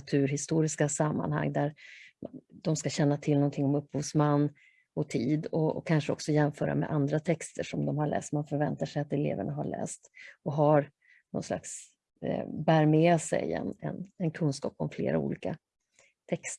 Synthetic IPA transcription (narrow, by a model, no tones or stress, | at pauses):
t̪ʰʉ̟ːɾɦɪst̪uːɾɪskasamːa̰nɦa̰ŋːd̪æɾ | d̪ɔmskaɕɛnːat̪ʰɪlnɔnt̪ʰɪŋːɔmɵpːhuːvsmanː | ɔt̪ʰiːd̪ɔɔ̰kʰːanʂəɔ̰ksɔjɛmfœːɾa̰mɛ̰ʔand̪ɾat̪ʰɛkst̪ʰəʂɔmd̪ɔmhaɭɛ̰ːst̪manfœɾvɛnt̪aʂɛjat̪ɛlḛːvəɳaɦaɭɛ̰ːst̪ɔɦaɾ | nɔ̰nsla̰ks | bæːɾmeːsɛ̰jɛ̰nɛ̰nɛnkʰɵnskɑ̰ːpɔmflḛːɾa̰ṵːliːka | t̪ʰɛkst̪